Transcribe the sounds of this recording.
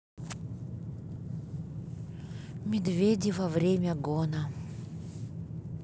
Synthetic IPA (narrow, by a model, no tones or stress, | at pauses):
mʲɪd̪vʲedʲɪvɐvɾʲemʲəɡonə